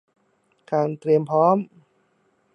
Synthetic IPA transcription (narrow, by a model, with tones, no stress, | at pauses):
kaː˧˩nt̪ɾi˧əmpʰɔː˦˥m